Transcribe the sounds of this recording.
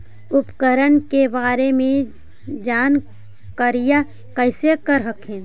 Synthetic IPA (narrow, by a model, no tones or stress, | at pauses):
ʊpkəɾənkebaːɾemẽ | d͡ʒaːn | kəɾija | kəɪsekəɾɦəkɦẽː